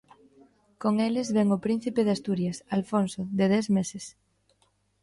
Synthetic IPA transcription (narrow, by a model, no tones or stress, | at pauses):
koŋelɪzβɛŋʊpɾin̟θipeðast̪uɾjasalfonsoðeð̞ɛsmeses